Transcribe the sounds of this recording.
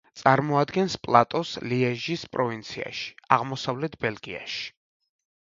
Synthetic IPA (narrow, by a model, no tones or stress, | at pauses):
t̪sʼaɾmɔad̪ɡɛnspʼlˠat̪ʼɔsliɛʒispʼɾɔvint̪sʰia̰ʃi̥aʁmɔsavlɛt̪ʰbɛlˠɡia̰ʃi̥